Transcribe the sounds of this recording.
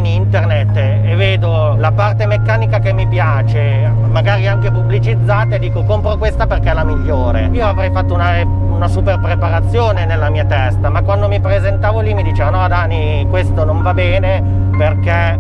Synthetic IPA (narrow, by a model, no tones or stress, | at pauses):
nint̪ernet̪ː | evːeːd̪o | lapart̪emekːaːnikakemːipjaːt͡ʃe | maɡaːɾiaŋkepublit͡ʃid̪zːaːt̪aed̪iːkokompɾokwest̪aperk̟ɛlamiʎːoːɾḛiːoavɾɛjfat̪ːouna | unasuperpɾepaɾat̪sːjoːnenelːamiːat̪ɛst̪amakwand̪omipɾezent̪aːvolimid̪it͡ʃeːvanɔd̪aːni | kwest̪onoɱvabɛːne | perke